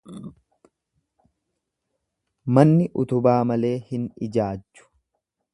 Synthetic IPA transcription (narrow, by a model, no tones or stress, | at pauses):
mɐnːɪʔʊt̪ʊbaːmɐle̞ːhɪnɪd͡ʒaːd͡ʒːʊ̥